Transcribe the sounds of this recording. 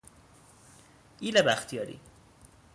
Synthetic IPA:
ilæbæxt̪ʰijɒːɾḭ

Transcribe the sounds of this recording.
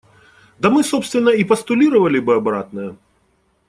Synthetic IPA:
d̪ɐmɨsopst̪vʲɪnːɐipɐst̪ʊlʲiɾɐvɐlʲɪbɨɐbɾa̰t̪nɨjɐ

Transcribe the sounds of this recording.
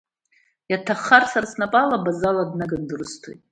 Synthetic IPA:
jatʰaχarsarsnapʼalabazaladnaɡandɨrɨstʰo̰jtʼ

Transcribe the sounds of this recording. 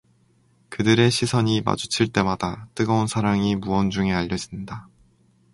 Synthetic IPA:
kɯdɯɾe̞ɕʰisʰʌɲima̰d͡ʑut͡ɕʰiɭt͈e̞madat͈ɯɡʌunsʰaɾaŋimuwʌnd͡ʑuŋe̞aʎːʌd͡ʑinda

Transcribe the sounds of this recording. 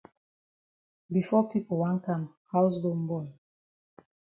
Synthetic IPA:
bifɔpʰipəl̩wãŋkãm | haʊs̬ɡombɔɪ

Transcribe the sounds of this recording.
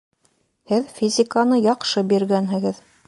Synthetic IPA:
hɘðfʲizʲɪkanɤjɑqʃɤbiɾɡænɦɘ̆ɡɘð

